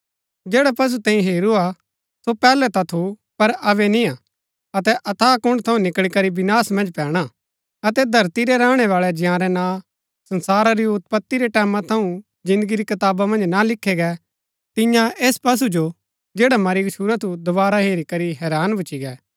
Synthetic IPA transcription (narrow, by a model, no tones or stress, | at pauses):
d͡ʒeːɽapɐs̬ut̪ẽːĩɦeːɾua | sopɛːlɛt̪at̪ʰu | pɐɾɐbɛnĩa | ɐt̪ɛʔɐt̪ʰaːkʊ̃ɳɖt̪ʰɐ̃ũnɪkɭikɐɾibɪnaːsmɐ̃nd͡ʒpɛːɽ̃a | ɐt̪ɛd̪ʱɐɾt̪iɾɛɾãːɽ̃ɛʋaːɭɛd͡ʒjãːɾɛnã | sɐ̃nsaːɾaɾiʊt̪pɐt̪ːiɾɛʈɛːmãt̪ʰɐũ | d͡ʒɪ̃nd̪əɡiɾikɐt̪aːbamɐ̃nd͡ʒnalɪkʰːeɡɛ | t̪ɪ̃jãeːspɐs̬ud͡ʒo | d͡ʒeːɽamɐɾiɡʃuːɾat̪ʰud̪ʊβaːɾaɦeːɾikɐɾiɦɛːɾaːnbʱʊt͡ʃiɡɛː